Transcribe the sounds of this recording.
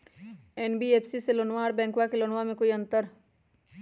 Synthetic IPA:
eːnbieːpʰsiselonʋaɔːɾbɛ̃ːŋkwakelonʋamẽkoːiɐ̃nt̪əɾ

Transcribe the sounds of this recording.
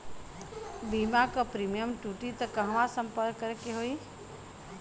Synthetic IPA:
biːmakəpɾiːmijəmʈuːʈit̪ɐkɐ̃ɦʋãsəmpəɾkːəɾekeɦoːiː

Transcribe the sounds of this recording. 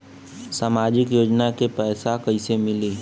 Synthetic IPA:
saːmaːd͡ʒɪkjoːd͡ʒnakepɛːsakɐisemɪliː

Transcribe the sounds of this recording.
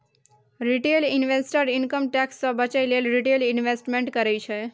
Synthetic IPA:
ɾiʈelinʋesʈəɾinkəmʈɛksːə̃bət͡ʃajlelɾiʈelinʋesʈmeɳʈkəɾɛt͡ʃʰɛ

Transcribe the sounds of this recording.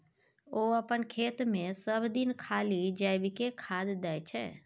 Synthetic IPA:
oːəpənkʰeːt̪mẽsəbd̪ɪnkʰaːlid͡ʒaːɪbɪkekʰaːd̪d̪aːjt͡ʃʰɛ

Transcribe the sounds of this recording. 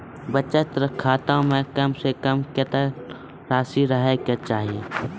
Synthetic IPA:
bɐtːt͡ʃet̪əɾəkʰːaːt̪aːũmẽkɐmsekəmkɪt̪ə | ɾaːsiɾəɦekjat͡ʃaːɦie

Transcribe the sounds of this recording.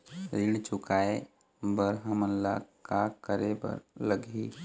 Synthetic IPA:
ɾiɽt͡ʃʊkaːe | bəɾɦəmənla̰kakəɾebə̰ɾləɡʱi

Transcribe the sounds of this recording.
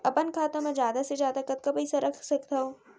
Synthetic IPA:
ɐpənkʰaːt̪ãmɐ̃zjaːd̪asezjaːd̪akɐt̪̚kapɐɪsaɾɐkʰsɐkt̪aõː

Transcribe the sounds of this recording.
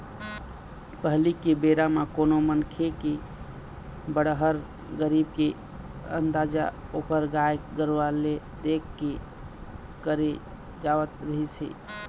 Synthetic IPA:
pəɦlikːebeɾamakonomənkʰeke | bəɽɦəɾ | ɡəɾibke | ə̰nd̪ad͡ʒa̰okəɾɡajkɡəɾwale | d̪ekʰːe | kəɾe | d͡ʒaʋət̪ɾəɦit͡ʃʰɛ̰

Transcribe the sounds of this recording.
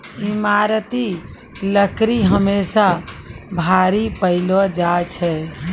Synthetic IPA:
imaɾt̪i | ləkɾiɦəmesabʱaɾipəɪlɔd͡ʒat͡ʃʰɛ

